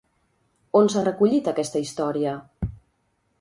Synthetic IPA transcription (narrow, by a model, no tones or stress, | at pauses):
onsarəkuʎit̪əkɛst̪əist̪ɔɾiə